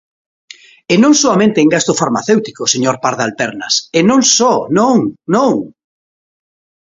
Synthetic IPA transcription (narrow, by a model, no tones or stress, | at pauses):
enõŋsoamẽnt̪eːŋɡast̪ʊfaɾma̰θewt̪ikoseɲoɾpaɾðalp̪ɛɾnɐsenõŋsɔnõŋnõŋ